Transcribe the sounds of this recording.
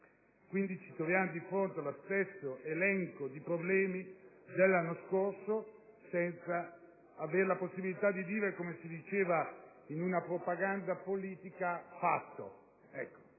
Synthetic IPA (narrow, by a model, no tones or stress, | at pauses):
kwind̪it͡ʃit̪ɾovjaːmod̪ifɾont̪ealost̪esːoelɛŋkod̪ipɾoblɛːmi | d̪elːanːoskorso | sɛnt̪saː | veːɾelaposːibilit̪ad̪ːiviːveɾekomesid̪it͡ʃeːva | inunapɾopaɡand̪apoliːt̪ikafa̰t̪ːo̰ | ɛkːo̥